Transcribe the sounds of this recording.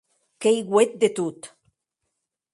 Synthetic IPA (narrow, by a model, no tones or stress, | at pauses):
kejɣwet̪̚d̪et̪ut̪